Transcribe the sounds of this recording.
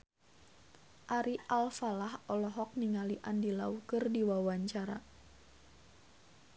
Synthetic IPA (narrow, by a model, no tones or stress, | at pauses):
ʔaɾiʔalfalahɔlɔɦɔk̚niŋaliʔandilaukɨrdiwawaɲt͡ʃaɾa